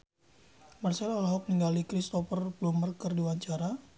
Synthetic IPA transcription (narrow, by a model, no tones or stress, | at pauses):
marsɛlalaɦɔk̚niŋɡalikɾist̪ɔfərblɔmərkərdiwaɲt͡ʃaɾa